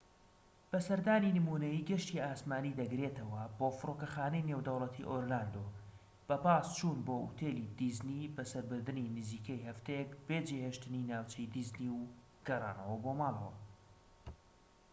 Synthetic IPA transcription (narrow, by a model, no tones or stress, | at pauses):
b̥ɐsɐɾd̪aːninɨmuːnɐjiːɡɐʃt̪iaːsmaːniːd̪ɐɡɾet̪ɐwɐboːfɨɾoːkɐxaːnejneːwd̪ɐwlˠɐt̪ʰḭʔoːɾlaːnd̪o | b̥ɐbaːst͡ʃʰuːnboːʔṵt̪ʰeːlid̪izniːbɐsɐɾbɨɾd̪ɨninɨziːkʰɐjhɐft̪ejekbeːd͡ʒeheːʃt̪ɨninaːwt͡ʃʰɐjd̪izniw | ɡ̥ɐrˤɑ̰ːnɐ̰wɐbomɑːlˠɐ̰wɐ̰